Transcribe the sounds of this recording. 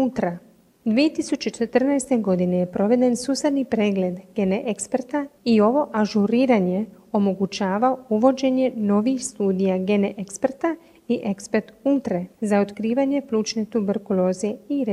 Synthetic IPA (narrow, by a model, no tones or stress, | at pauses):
ult̪ɾa | d̪ʋije̞t̪isut͡ɕet͡ʃe̞t̪r̩najst̪eɡo̞d̪ine̞jepɾo̞ʋe̞d̪e̞nsuːsed̪nipɾeːɡle̞d̪ɡe̞neʔekspeɾt̪aio̞ʋo̞ʔaʒuɾiːɾaɲe̞o̞mo̞ɡut͡ɕaːʋaouʋo̞d͡ʑe̞ɲe̞no̞ʋixst̪uːd̪ijaɡe̞neʔekspeɾt̪a | iʔe̞kspet̪ult̪ɾezaot̪kɾiːʋaɲe̞plˠuːt͡ʃne̞t̪ubeɾkulo̞ːzieiɾe